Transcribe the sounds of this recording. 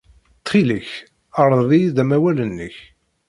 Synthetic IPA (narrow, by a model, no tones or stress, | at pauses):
t̪ːχiləç | əɾˤðˤiðæmæwælənːəç